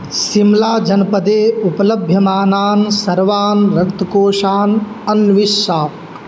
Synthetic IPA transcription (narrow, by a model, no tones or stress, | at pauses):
simlaːd͡ʒɐnɐpɐd̪eːupɐlɐbʱjɐmaːnaːnsɐɾʋaːnɾɐkt̪ɐkoːʂaːn | ɐnʋiʃaːp̚